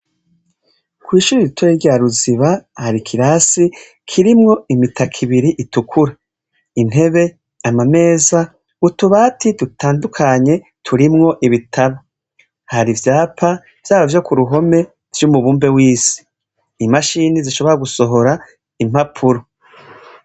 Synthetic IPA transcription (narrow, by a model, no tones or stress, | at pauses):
kwiːʃuɾiɾitʰoɾeɾɟaːɾuziβahaɾikʰiɾasi | kʰiɾimŋo̞imitʰakʰiβiɾiʔitukʰuɾa | in̥he̞βe̞ | amame̞ːza | ɡutuβaːtidutaːndukʰaɲe̞ | tʰuɾimŋo̞ʔiβitʰaβa | haɾivjaːpʰa | v̥jaːβavjokuɾuɦo̞me̞ | ɾjumuβuːmbe̞wiːsi̥ː | maʃiniziʃo̞βo̞ɾaɡuso̞ɦo̞ɾa | im̥hapʰuɾo